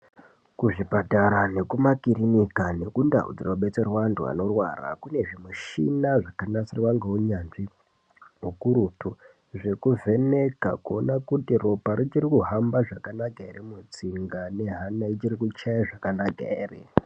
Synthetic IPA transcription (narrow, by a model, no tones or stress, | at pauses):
kuʐipataɾane̞kumakiɾinikane̞kunda̰ṵd͡ziroɓe̞t͡serwantua̰no̞rwa̰ra̰kune̞ʐimwuʃḭnaʐakanasirwaŋɡeuɲanʐi | ɦukuɾutu | ʐe̞kuvʱe̞ne̞ka̰kuonakutiropaɾit͡ʃiɾikuɦambaʐakanakaeremut͡siŋɡane̞ɦanait͡ʃiɾikut͡ʃajaʐakanaɡaeːrḛ